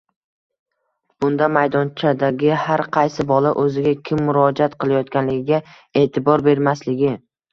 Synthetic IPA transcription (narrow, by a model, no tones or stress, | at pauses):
b̥ʊnd̪amajd̪ɒnt͡ʃʰad̪aɡʲɪhaɾqʰɑjsɪbɒlaʔɵzɪɡʲakʲʰɪmːʊɾɒd͡ʒat̪qɨlˠajɒt̪kʲanlɪɡʲɪɡʲa | e̞ːt̪ʰɪbɒɾbe̞ɾmaslɪɡʲɪ